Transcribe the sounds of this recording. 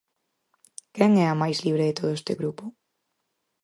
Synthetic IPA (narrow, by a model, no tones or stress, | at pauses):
kɛŋɛamajzliβ̞ɾeðɪt̪oðoest̪ɪ̰ɣɾupo